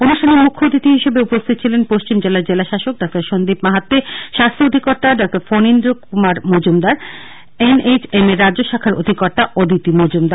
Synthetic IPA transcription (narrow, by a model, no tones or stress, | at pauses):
onuʃʈʰaneɾmukʰːod̪it̪iɦiʃebeupost̪ʰit̪ːt͡ɕʰilenpoʃt͡ɕimd͡ʑelaɾd͡ʑelaʃaʃok̚ɖak̚t̪aɾʃond̪ipmaɦat̪ːeʃast̪ʰood̪ʱikɔɾt̪aɖɔk̚ʈaɾfonind̪ɾokumaɾmod͡ʑumd̪aɾ | enet͡ɕemeɾːadʑoʃakʰaɾo̰d̪ʱikɔɾt̪aʔod̪ʱit̪imod͡ʑumd̪aɾ